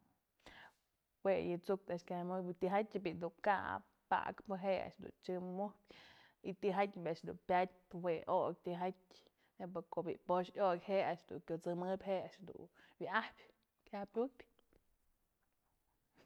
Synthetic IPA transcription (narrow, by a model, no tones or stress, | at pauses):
wejɨt͡suk̚t̪aʔʃkʲamɨbt̪iɦatʲɨbid̪uka̰ʔ | pa̰kpɨɦea̰ʔʂd̪ṵnt͡ʃɨmuhpʲ | it̪iɦatʲbʲaʔʂd̪ṵnpʲat̚ʲpɨweʔok̚ʲt̪iɦat̚ʲ | nepɨkoʔbiʔpoʃokʲheaʔʂd̪ṵŋkʲot͡sɨmɨbʲheʔaʔʂd̪ṵnwʔahpʲ | kʲahpʲupʲ